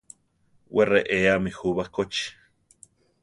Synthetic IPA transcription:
wereʔeamixuβakot͡ʃi̥

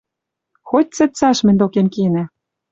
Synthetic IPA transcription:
xot̚ʲt͡sɘ̆t̪t͡sɑʃmɘ̆nʲd̪okemkenæ̆

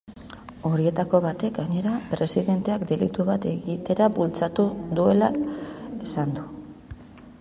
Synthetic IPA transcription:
o̞ɾie̞t̪ako̞βat̪e̞k̚ɡaɲe̞ɾapɾe̞siðe̞nt̪e̞akd̪e̞lḭt̪uβat̪e̞ɣit̪e̞ɾaβult͡sat̪ud̪ue̞laesand̪u

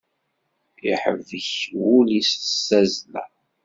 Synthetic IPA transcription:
ḭħə̰vəçwulissæzlæ̰

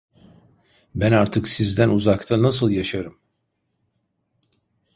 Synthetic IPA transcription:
bænaɾt̪ʰɯksizd̪ænuzakt̪ʰanasɯlˠjaʃaɾɯm

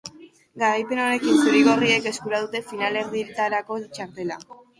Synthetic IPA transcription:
ɡaɾajpe̞no̞ne̞kinsuɾiɣo̞rie̞ke̞skuɾaðut̪e̞finale̞ɾðit̪aɾako̞t͡ʃaɾt̪e̞la

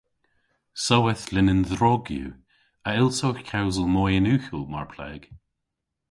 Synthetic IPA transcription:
sɔwɛθlɪnənðɾɔɡjṵ | əɪlˠtoxkʰawzəlˠmɔjənʉːxəlˠma̰ɹpʰlɛ̰ːɡ̥

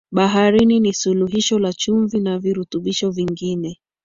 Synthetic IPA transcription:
ɓaɦaɾininisuluɦiʃɔlat͡ʃuɱvinaviɾutuɓiʃɔviŋɡinɛ

